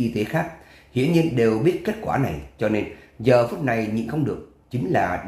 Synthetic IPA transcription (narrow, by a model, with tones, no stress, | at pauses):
ʔi˧t̪e˨˦xaː˦˥k̚ | hḭ˧˨ənɲi˧ənɗe˨˩wɓi˦˥ət̚ke˦˥t̚kwaː˧˩na˨˩jt͡ɕɔ˧ne˧nzəː˨˩fu˦˥t̚na˨˩jɲḭ˧˨nxə˧wŋ͡mɗɨ˨˩ək̚ | t͡ɕï˨˦ŋ̟laː˨˩